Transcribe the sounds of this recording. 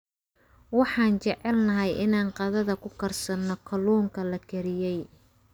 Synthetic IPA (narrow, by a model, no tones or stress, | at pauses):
wɑħɑːnt͡ʃɛʕɛlnɐɦɛjʔɪnaːnqɑðɐðɐkʰʊkʰɐrsɐnːɔkʰɐluːŋkʰɐlɐkʰɛɾɪjɛj